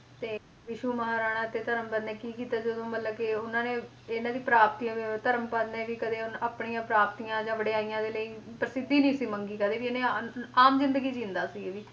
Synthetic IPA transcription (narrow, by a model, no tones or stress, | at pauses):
t̪eː | ʋɪʃuːməɦaːɾaːɽ̃ãːt̪eːt̪əɾəmpəd̪nẽːkiːkiːt̪aːd͡ʒəd̪õːmət̪ləbkɪʊnãːneː | ɪnãːd̪iːpɾaːp̚t̪iːãːʋit̪əɾəmpəd̪nẽːʋiːkəd̪eːʊnaːpɳiːãːpɾaːp̚t̪ijãːd͡ʒãːʋəɽeaːijãːd̪eːləiːpɾəsɪd̪ːiːnĩːsiːməŋɡiːkəd̪eːʋieːnẽːaaːmzɪ̃nd̪əɡiːd͡ʒĩːnd̪aːsiːeːʋiː